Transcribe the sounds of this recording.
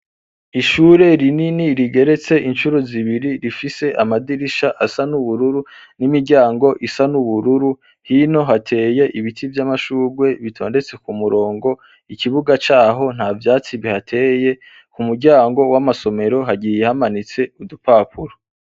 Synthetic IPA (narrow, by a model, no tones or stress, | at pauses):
iʃuɾe̞ɾininiɾiɡe̞ɾe̞t͡se̞ʔint͡ʃuɾoziβiɾiɾifise̞ʔamadiɾiʃaʔasanuβuɾuɾu | nimiɾɟaːŋɡo̞ʔisanuβuɾuɾu | hino̞ɦatʰe̞ːje̞ʔiβitʰivjamaʃuːɡwe̞βitʰo̞ːnde̞t͡se̞kumuɾo̞ːŋɡo̞ | iciβuɡat͡ʃaːɦo̞n̥havjaːt͡siβihatʰeje̞ | kumuɾɟaːŋɡo̞wamaso̞me̞ɾo̞ɦaɟijihamanit͡se̞udupapʰuɾo